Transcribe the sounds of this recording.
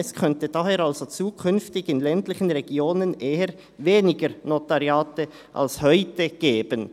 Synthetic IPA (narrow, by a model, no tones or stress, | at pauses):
ɛskʰœntəd̥aɦeːɾalzot͡suːkʰʏnftɪɡɪnlɛntlɪçənʁɛɡ̥joːnənʔeːəɾ | veːnɪɡəɾnotaʁjaːtə | ʔa̰lshœʏtəɡ̥eːb̥ən